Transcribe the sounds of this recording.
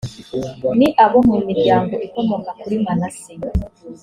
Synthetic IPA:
niʔaβomumiɾɟaːŋɡoʔikomokakuɾimanasim

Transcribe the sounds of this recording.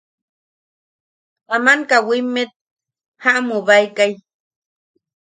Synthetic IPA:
t̪amaŋkawimːet̪̚ | haʔmuβajkaj

